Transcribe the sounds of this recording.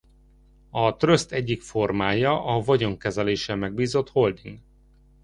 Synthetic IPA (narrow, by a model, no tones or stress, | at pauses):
ɒt̪rø̞st̪ɛɟːikfo̞rmaːjɒʔɒvɒɟo̞ŋkɛzɛleːʃɛmɛɡbiːzo̞t̪ho̞ld̪iŋɡ